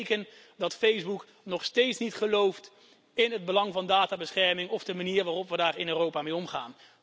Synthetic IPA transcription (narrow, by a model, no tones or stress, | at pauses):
kən | dɑtfejzbuk | nɔχstejtsnitχəlowft | ɪnɦəd̚bəlɑŋvɑndaːtaːbəsχɛɹmɪŋɔvdəmaniːrʋaːrɔpʋədaːrɪnøːrowpaːmeːjɔmχa̰ːn